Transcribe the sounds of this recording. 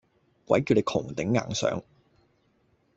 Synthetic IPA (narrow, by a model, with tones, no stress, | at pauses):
kwʷɐ̰˨˥jki˧wne˨˧kʰʊ˨˩ŋt̪ɪ˨˥ŋːa̰ː˨ŋsœ̰ː˨˥ŋ